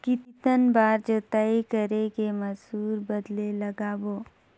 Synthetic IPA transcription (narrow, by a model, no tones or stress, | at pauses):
kɪt̪t̪ənbaːɾd͡ʒət̪aːikəɾekemɐzuːɾbəd̪leləɡaboː